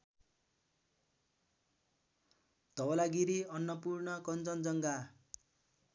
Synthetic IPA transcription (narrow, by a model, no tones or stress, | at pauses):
t̪ʌwʌlaɡiɾiʌnːʌpurnʌkʌnd͡zʌnd͡zʌŋɡa